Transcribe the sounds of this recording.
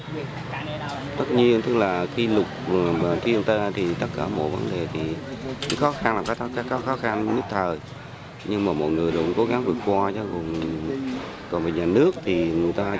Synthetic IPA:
t̪ə˦˥t̚ɲi˧ənt̪ɨ˦˥k̚laː˨˩xi˧lʊ˨˩k͡p̚ːt̪ʰi˧ənt̪ə˧t̪ʰi˨˩t̪ə˦˥t̚kaː˧˩mo̰˧˨jvə̰˨˦nɗe˨˩t̪ʰi˨˩˧xɔ˨˦xa˧nlaː˨˩mkaː˦t̪ʰːkaː˦˥kkɔ˨˦˥xɔ˨˦xa˧nɲɨ˦˥t̚t̪ʰəː˨˩j | ɲɨ˧ŋmaː˨˩mo̰˧˨jŋɨ˨˩əjɗʊ̰˧˩ŋ͡mko˨˦ɣa˨˦ŋvɨ˨˩ək̚kwaː˧t͡ɕɔ˨˦ɣo˨˩ən | kɔ̰˨˩nvəː˨˩ɲaː˨˩nɨ˦˥ək̚t̪ʰi˨˩ŋɨ˨˩əjt̪aː˧

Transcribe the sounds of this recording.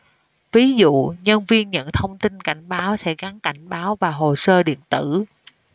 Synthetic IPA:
vi˨˦zṵ˧˨ɲə˧nvi˧ənɲə̰˧˨nt̪ʰə˧wŋ͡mt̪i˧nka˧˩jŋ̟ɓaː˨˦wsɛ̰˧˥ɣa˨˦nka˧˩jŋ̟ɓaː˨˦wvaː˨˩ɦo˨˩səː˧ɗḭ˧˨ənt̪ɨ˧˩

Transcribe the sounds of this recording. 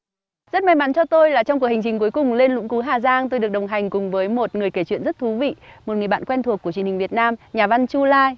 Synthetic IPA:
zə˦˥t̚ma˨˧jma˨˦nt͡ɕɔ˧t̪o˧jlaː˨˩t͡ɕɔ˧wŋ͡mku˨˩əkha˨˩ŋ̟t͡ɕï˨˩ŋ̟ku˨˦jkʊ˨˩ŋ͡mle˧nlʊ̰˧˥ŋ͡mku˨˦ɦaː˨˩zaː˧ŋt̪o˧jɗɨ˨˩ək̚ɗə˨˩wŋ͡mɦa˨˩jŋ̟kʊ˨˩ŋ͡mvəː˨˦jmo˨˩t̚ŋɨ˨˩əjke˧˩t͡ɕwḭ˧˨nzə˦˥t̚t̪ʰu˨˦vḭ˧˨mo˨˩t̚ŋɨ˨˩əjɓa̰ː˧˨nkwɛ˧nt̪ʰkːu˧˩t͡ɕi˧ənhï˨˩ŋvi˨˩ət̚naː˧mɲaː˨˩va˧nt͡ɕu˧laː˧j

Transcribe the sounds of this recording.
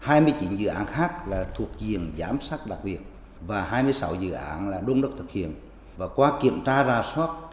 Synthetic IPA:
haː˧jmɨ˧əjt͡ɕi˨˦nzɨ̰˧˨ʔaː˨˦nxaː˦˥k̚laː˨˩t̪ʰu˨˩ək̚zi˨˩ənzaː˨˦msaː˦˥t̚ɗa˨˩k̚ɓi˨˩ət̚ | vaː˨˩ɦaː˧jmɨ˧əjsa˨˦wzɨ̰˧˨ʔa̰ː˨˦nlaː˨˩ɗo˧nɗə˦˥t̪ɨ˨˩k̚hḭ˧˨ən | vaː˨˩kwaː˧ki˧˩˨əmt͡ɕaː˧zaː˨˩swaː˦˥t̚

